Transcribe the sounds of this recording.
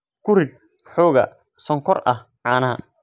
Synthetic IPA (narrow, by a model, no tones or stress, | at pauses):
kʰʊrɪɡ̚ | ħɔːɣɐ̰ | sɔŋkʰɔrʔɐh | ʕɑːnɐɦɐ̰